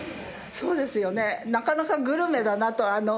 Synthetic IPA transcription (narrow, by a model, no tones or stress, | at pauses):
so̞ːd̪e̞sɨjo̞ne̞nakanakaɡɯ̟ɾɯ̟me̞d̪anat̪o̞ano